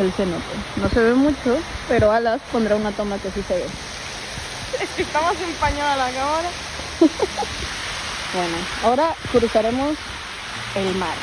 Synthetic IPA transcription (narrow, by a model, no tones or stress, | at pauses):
else̞not̪eno̞se̞βemut͡ʃope̞ɾo̞alaspo̞nd̪ɾaunat̪o̞make̞sise̞βe | ekest̪amos̬empaɲoðalakaoɾa | bwe̞noao̞ɾakuɾusaɾe̞mos | elmaɾ